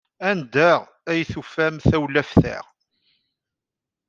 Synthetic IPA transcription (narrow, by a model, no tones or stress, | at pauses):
ænd̪æʁ | æjθufæmθæwlæfθæ̰ʁ